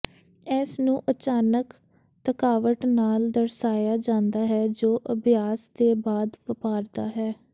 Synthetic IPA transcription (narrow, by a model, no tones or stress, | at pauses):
ɛːsnũːʔət͡ʃaːnək | t̪əkaːʋəʈnaːld̪əɾsaːjaːd͡ʒãːnd̪aːɦɛːd͡ʒoːʔəbɪjaːsd̪eːbaːd̪pəpaːɾd̪aːɦɛː